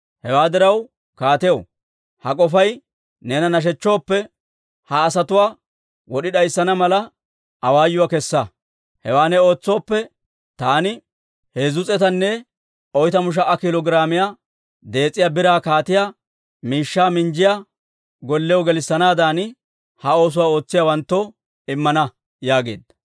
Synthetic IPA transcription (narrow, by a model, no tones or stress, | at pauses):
hɛwaːd̪ɪɾɐw | kaːt̪ɛj̰ | hɐkʼɔfɐj | neːnɐnɐʃ̬ɛt͡ʃːoːpːɛ | hɐːsɐt̪ʊwaː | wɔɗɪɗɐjsːɐnɐmɐlɐ | ʔɐwaːjːʊwakɛsːɐ | hɛwaːnɛo̞ːt͡sːo̞ːpːɛ | t̪aːnɪ | heːzʊt͡sʼɛt̪ɐnːɛ | ɔjt̪ɐmʊʃ̬ɐʔɐkɪlɔɡɾaːmɪjaː | d̪e̞ːt͡sʼːɪjaːbɪɾaːkaːt̪ɪjaː | miːʃːaːmɪnd͡ʒɪja | ɡɔlːɛjɔɡɛlɪsːɐnaːd̪aːn | hɐo̞ːs̬ʊwaːo̞ːt͡sːɪjawɐnt̪ːɔ | ɪmːɐnɐ | jaːɡḛːd̪ɐ